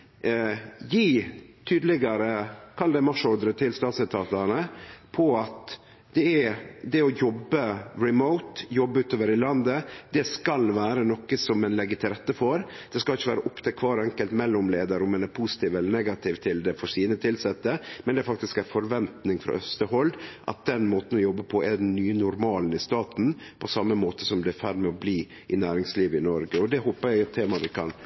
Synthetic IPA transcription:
jiːt̪ʰyːd̪lɪɡɑɾəkʰɑld̪ɛmɑʂɔɾd̪ɾət̪ʰɪlst̪ɑːt̪sɛt̪ʰɑːt̪ənəpʰɔɑt̪ | d̪ɛɛd̪ɛɔjɔbːəɾɪmoʊt̪jɔbːəʉːt̪oːʋəɾɪlɑnd̪əd̪̥ɛskɑlʋæːɾənɔkːəsɔmɛnlɛɡːət̪ʰɪɾɛt̪ːəfoːɾ | d̪̥ɛskɑlɪçːəʋæːɾəʔʊpt̪ʰɪkʰʋɑːɾɛŋkəlt̪mɛlːʊmleːd̪ɑɾʊmɛnɛɾpʰusɪ̥t̪iːʋɛlːənɛɡɑt̪ʰɪːʋt̪ʰɪld̪ɛfɔɾsiːnət̪ʰɪlsɛt̪ːəmɛnd̪ɛfɑk̚t̪ɪskæfɔɾʋɛnt̪nɪŋfɾɑ̰ʔœst̪əhɔld̪ʔɑ̰t̪̚d̪ɛnmoːt̪n̩ɔjɔbːəpʰɔʔɛɖ̪ɛnːyːənʊɾmɑːln̩ɪst̪ɑːt̪n̩ | pʰɔsɑmːəmoːt̪əsɔmd̪ɛæfæɖmɛɔbliː | ʔɪnæːɾɪŋsliːʋəɪnɔɾɡəɔd̪ɛhoːpəɾjæɪt̪ʰeːmɑʋ̪ɪkʰɑ̰n

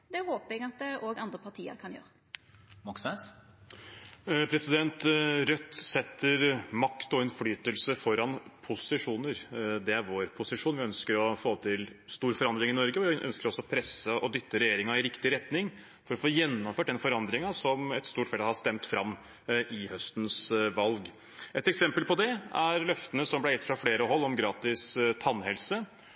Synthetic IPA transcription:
d̪ɛhoːpəɛɡɑt̪̚d̪ɛʔoːɡɑnd̪ʁəpʰɑt̪ʰiːə̰ɾkʰɑnjø̰ːɾə | mɔksnɛs | pʰɾɛsɪd̪ɛnt̪ɾœt̪ːsɛt̪ːəɾmɑkt̪ɔɛnflyːt̪əlsəfɔɾɑnpʰʊsɪʂuːnəɾd̪ɛæɾʋoːɾpʰʊsɪʂuːnʋɪœnskəɾɔfoːt̪ʰɪlst̪uːɾfɔɾɑnd̪ɾɪŋɪnɔɾɡəɔʋɪʔœ̰nskəɾɔsːɔɔpʰɾɛsəɔd̪ʏt̪ʰːəɾɛjeːɾɪŋɑɪɾɪkt̪ɪɾɛt̪nɪŋ | fɔɾɔfoːjɛnːɔmføːʈ̚d̪ɛnfɔɾɑnd̪ɾɪŋɑsɔmɛt̪st̪uːʈfɛlhɑst̪ɛmt̪fɾɑmː | ʔɪhœst̪n̩sʋɑlɡ | ʔɛt̪ɛksɛmpəlpʰɔd̪ɛæɾlœft̪ənəsɔmblɛɾjɛt̪ːfɾɑfleːɾəɦɔlːɔmɡɾɑːt̪ɪst̪ʰɑnːhɛlsə

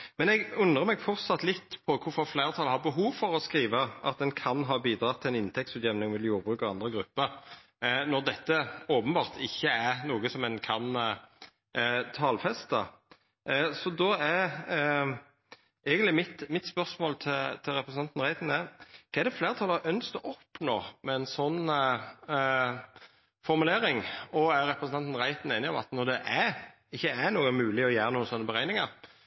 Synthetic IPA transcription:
mɛnɛɡʉnd̪ʁəmɛɡfɔʁt̪sɑt̪ːlɪt̪ːpʰɔkʰʊɾfɔʁflæɪʁt̪ʰɑlhɑʁbəɦuːʋfɔʁɔskɾiːʋəʔɑ̰t̪̚ɛnkʰɑnɦɑːbiːd̪ɾɑːt̪ʰɪlɛnɪnt̪ʰɛk̚t̪sʉːt̪jɛʋnɪŋmɛd̪ljuːʁbʁʉːkɑʋɑnd̪ʁəɡɾʉpːəɾ | nɔʁd̪ɛt̪ːəoːpənbɑːʁt̪ʰɪçːəæɾnuːɡəsɔmɛnkʰɑn | t̪ʰɑːlfɛst̪ə̰ | sɔd̪ɔæɾ | ɛɪɡənt̪lɪmɪt̪mɪt̪spœʁsmoːlt̪ʰɪlt̪ʰɪlɾɛpɾəsnɑnt̪n̩ʁæɪt̪n̩ækʰɑæɛd̪ɛfleːʁət̪ʰɑlːɑʔœnskt̪ɔʔɔpːnoːmɛɛnsɔnː | fɔɾmʉleːɾɪŋɔæɾɛpɾəsnʰɑnt̪n̩ʁæɪt̪n̩eːnɪɔmɑ̰t̪nɔd̪ɛʔæ | ɪçːəæɾnuːɡəmʉːlɪɔjæːɾənuːənsɔnːəbəɾæɪnɪŋɑɾ

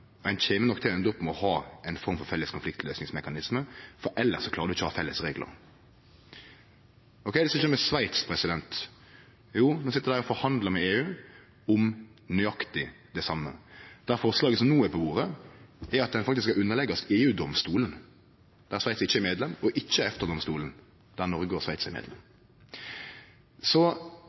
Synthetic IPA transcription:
ɔæɪnçeːmənɔkt̪ʰɛɛnd̪ɔpːmɔhɑːʔɛɪnfɔɾmfɔfɛlːəskʰʊnflɪk̚t̪ʰløːsnɪŋsmɛkɑnɪsməfɔɾʔɛlːəɾsɔkʰlɑːɾəd̪ʉɪçəhɑfɛlːəsɾeːɡlʔə̰ɾ | ɔkʰɛɪd̪ɛsɪçːəmɛsʋæɪt̪spʰɾɛsɪd̪ɛnt̪ | juːnoːsɪt̪ːəɾd̪æːʁɔfɔɾhɑnd̪ləmɛeːʉː | ʊmnʏɑkt̪ɪ | d̪ɛsɑmːə̰d̪̥æɾfɔʁslɑːɡəsɔmnuːɛpʰɔʋuːɾəɛɾɑt̪̚d̪ɛnfɑkt̪ɪskɑʉnːəʁlɛɡːɑseːʉːd̪ɔmst̪uːlən | d̪̥ææʁsʋæɪt̪sɪçəɛɾmeːd̪lɛmɔʔɪçːəɛft̪əɾd̪ɔmst̪ṵːlən̩ | d̪̥æɾnɔɾɡɡoːsʋæɪt̪sɛmḛːd̪lɛ̰m | sɔ

